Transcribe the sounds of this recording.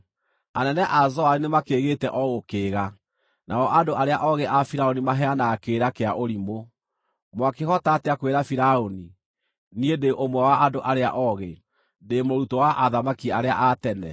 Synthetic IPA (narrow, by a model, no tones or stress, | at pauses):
anɛnɛʔazɔaɾinemakeːɣetɛʔɔɣokeːɣa | naɔʔandoʔaɾeaʔɔɣeʔafiɾaonimaɦɛanakeːɾakeaʔoɾimo | mwakehɔtateakweɾafiɾaoni | niendeʔomwɛwaʔandoʔaɾea̰ʔɔɣe | demoɾutowaʔaðamakiaɾeaʔatɛnɛ̰